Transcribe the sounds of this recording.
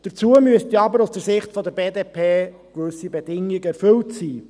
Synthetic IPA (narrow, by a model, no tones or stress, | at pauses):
d̥əɾt͡suəmyəst̪iɑbəɾʊsd̥əɾsɪχtfɔd̪əɾbeːdeːpʰeː | kʋɵsibɛdɪŋɪɡəɛɾfɵltsiː